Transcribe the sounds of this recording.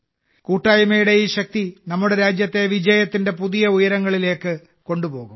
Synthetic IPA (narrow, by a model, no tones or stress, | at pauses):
kuːʈːaːjɐmɐjuɽe̞iːɕɐk̚t̪inɐmːuɽe̞ɾaːd͡ʑjɐt̪ːe̞ʋid͡ʑɐjɐt̪ːinde̞puðijɐujɐɾɐŋːɐɭile̞ːkːɨ | ko̞ɳɖupo̞ːɣum